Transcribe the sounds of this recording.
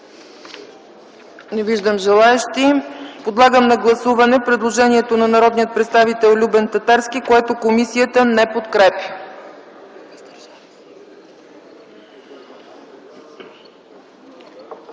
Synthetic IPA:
nɛviʒd̪əmʒɛlˠaɛʃt̪ipod̪lˠaɡəmnɐɡlˠɐsuvɐnɛpɾɛd̪lˠoʒɛniɛt̪onɐnɐɾɔd̪nijət̪pɾɛt̪st̪avit̪ɛlˠlʲubɛnt̪ɐt̪aɾskikoɛt̪okomisijət̪ənɛpot̪kɾɛpʲjə

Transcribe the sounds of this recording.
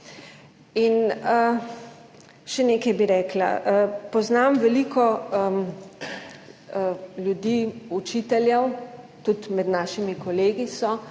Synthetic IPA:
inə | ʃɛneːkɛjbiɾɛːkla̰əpɔznaːmʋɛlikʰɔə | ljud̪iut͡ʃiːt̪ɛljɛw | t̪ut̪mɛd̪naːʃimikɔleːɡisɔ

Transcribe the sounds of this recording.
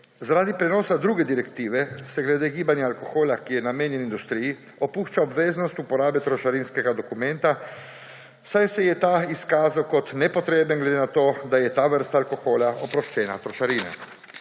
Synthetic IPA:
zaɾaːd̪ipɾɛnɔːsad̪ɾuːɡɛd̪iɾɛkt̪iːʋɛsɛɡlɛd̪eːɡiːbanjaːlkoxoːlakijɛnameːnjɛnind̪ust̪ɾiːji | opuːʃt͡ʃaɔbʋeːznɔst̪upɔɾaːbɛt̪ɾɔʃaɾinskɛɡad̪ɔkumɛnt̪a | wsajsɛjɛt̪aːiskaːzawkɔt̪nɛpɔt̪ɾeːbənɡled̪enat̪oːd̪ajɛt̪aːʋəɾst̪alkoxoːlaʔɔpɾɔʃt͡ʃɛːna̰t̪ɾɔʃaɾiːna̰

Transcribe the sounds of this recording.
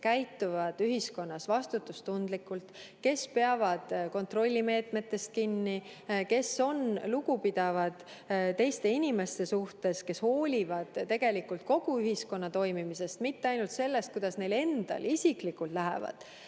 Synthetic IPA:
kæjt̪ːˑuvɑd̪̥yɦisko̞nːɑsvɑst̪ut̪ːˑust̪und̪̥likːˑult̪ke̞spe̞ɑvɑd̪̥ko̞nt̪ro̞lʲːime̞ːt̪me̞t̪ːˑe̞st̪̚kinːike̞so̞nluɡupid̪̥ɑvɑd̪̥ | t̪e̞jst̪e̞inʲime̞st̪esuht̪e̞ske̞sho̞ːlʲivɑd̪̥t̪ːe̞ɡ̥e̞likult̪̚ko̞ɡ̥uyɦisko̞nːɑt̪o̞jmimise̞st̪mit̪ːeɑjnult̪se̞lːe̞st̪̚kujd̪̥ɑsne̞jle̞nd̪̥ɑ̰lisiklikult̪læɦḛvɑ̰d̪̥

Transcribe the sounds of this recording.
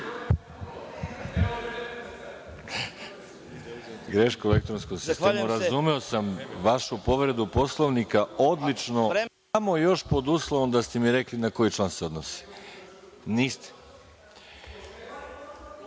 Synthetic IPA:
ɡɾeʃkoelek̚t̪ɾonskoɡszist̪emuɾazumeo̞samʋaʃupo̞ʋɾe̞d̪upo̞slˠoʋnikao̞d̪lit͡ʃno̞ | amo̞jo̞ʃpo̞d̪uslˠoʋomd̪ast̪emiɾe̞klinako̞jit͡ʃlˠaːnseo̞d̪nosi̥ | niːst̪e̥

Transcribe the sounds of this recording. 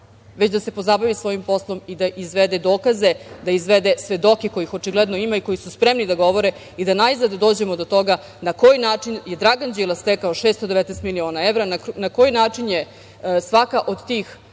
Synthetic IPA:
ʋet͡ɕd̪ase̞po̞zabaʋisʋo̞jimpo̞slˠo̞mid̪aʔizʋed̪ed̪o̞ːkazed̪aizʋed̪esʋe̞d̪o̞keko̞jixo̞t͡ʃiɡled̪no̞imaiko̞jisuspɾemnid̪aɡo̞ʋo̞ɾe | id̪anaizad̪d̪oːd͡ʑemod̪ot̪o̞ɡa | nako̞jnaːt͡ʃinje̞d̪ɾaɡand͡ʑilˠast̪ekaoʃest̪od̪e̞ʋɛt̪nɛst̪milio̞ːnaeʋɾananako̞jinaːt͡ʂinje | sʋakaʔo̞d̪t̪iːx

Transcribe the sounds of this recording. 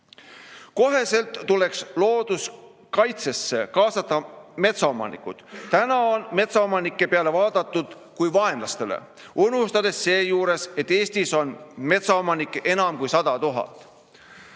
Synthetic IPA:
ko̞ɦe̞se̞lt̪ːule̞kslo̞ːd̪̥us | kɑjt̪se̞sːe̞kɑːsɑt̪ːˑɑme̞t̪sɑo̞mɑ̰nḭkːˑud̪̥t̪ænɑo̞nme̞t̪sɑomɑnikˑːe̞peɑle̞vɑːd̪̥ɑt̪ˑːud̪̥ | kujvɑe̞mlɑst̪e̞le̞̰ | unhust̪ɑd̪̥e̞sːe̞ːjuːɾe̞se̞t̪ːe̞ːsʲt̪iso̞nme̞t̪sɑo̞mɑnikːˑe̞nɑmkujsɑd̪̥ɑt̪uɦɑ̰t̪ˑ

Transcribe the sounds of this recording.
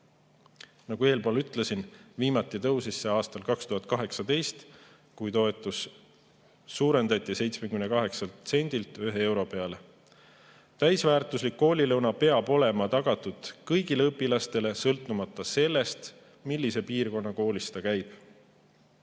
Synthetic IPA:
nɑɡ̥ue̞ːlpoːlyt̪ˑle̞sinviːmɑt̪ːˑit̪ɤwsisːeɑːst̪ɑlkɑkst̪uɦɑt̪̚kɑɦe̞ksɑd̪e̞jst̪ | kujt̪o̞e̞t̪ːˑus | uːɾe̞nd̪̥ɑt̪ʲːˑise̞jt̪smekymnekɑɦe̞ksɑlt̪se̞nʲd̪̥ilt̪yɦe̞e̞wɾo̞pe̞ɑle̞ | t̪æjsvæːrt̪ˑuslikːo̞ːlʲilɤwnɑpe̞ɑb̥o̞le̞mɑt̪ɑɡ̥ɑt̪ːud̪̥kɤjɡ̥ileɤpːˑilɑst̪e̞le̞sɤlt̪ːˑumɑt̪ːˑɑse̞lːe̞st̪ | milʲːise̞piːrko̞nːɑko̞ːlʲist̪ɑkæjb̥

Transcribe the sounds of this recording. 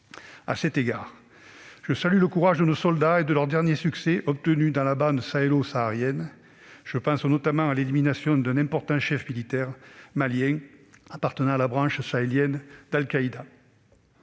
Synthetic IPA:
a̰sɛt̪eɡaːʁ | ʒ̥əsalyləkuʁaʒd̪ənosɔld̪aed̪əlœʁd̪ɛʁnjesyksɛʔɔp̚t̪ənyd̪ɑ̃labɑ̃d̪saelosaːʁjɛn | ʒ̥əpɑ̃snɔt̪amɑ̃aleliminasjɔ̃d̪ɛ̃nɛ̃pɔʁt̪ɑ̃ʃɛfmilit̪ɛʁmaljɛ̃apaʁt̪ənɑ̃alabʁɑ̃ʃsaeljɛnd̪alkaid̪a

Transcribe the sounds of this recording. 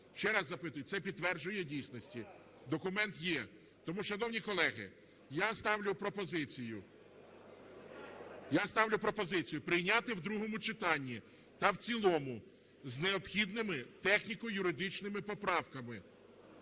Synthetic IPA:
ʃt͡ʃɛɾɑzːɐpɪt̪ʊjʊt̪sɛpʲid̪̚ːʋɛrd͡ʒʊjɛdʲijsʲnɔsʲtʲi | d̪ɔkʊmɛnt̪jɛ | t̪ɔmuʃɐnɔwnʲikɔlˠɛɦɪ̰ | jast̪ɑwlʲʊpɾɔpɔzɪt͡sʲijʊ | jast̪ɑwlʲʊpɾɔpɔzɪt͡sʲijʊpɾɪjnʲat̪ɪwd̪ɾuɦɔmʊt͡ʃɪt̪ɑnʲːi | t̪ɐwt͡sʲilˠɔmʊ | zneɔpxʲid̪nɪmɪt̪ɛxnʲikɔjʊɾɪd̪ɪt͡ʃnɪmɪpɔpɾɑwkɐmɪ

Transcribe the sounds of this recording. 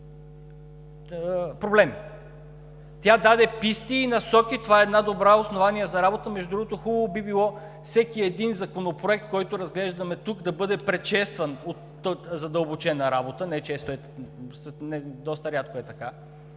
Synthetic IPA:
pɾoblɛmi | t̪ʲjad̪ad̪ɛpist̪iːnɐsɔkit̪ovaɛɛd̪nad̪obɾaosnovaniɛzɐɾabot̪əmɛʒd̪ud̪ɾuɡot̪oxubəvobibilˠɔ | fsɛkiɛd̪inzɐkonopɾoɛk̚t̪̚kɔjt̪oɾɐzɡlɛʒd̪ɐmɛt̪ukd̪ɐbɤd̪ɛpɾɛʃɛst̪vɐnot̪ː | zɐd̪əlˠbot͡ʃɛnɐɾabot̪ənɛt͡ʃɛst̪oɛ | snɛd̪ɔst̪ɐɾʲjat̪koɛt̪ɐka

